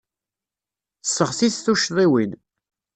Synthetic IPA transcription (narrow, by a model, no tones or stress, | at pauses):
θəsːəʁsiθθuʃðˤiwin